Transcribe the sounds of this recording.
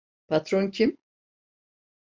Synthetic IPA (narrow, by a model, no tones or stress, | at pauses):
pʰat̪ɾoncʰʲim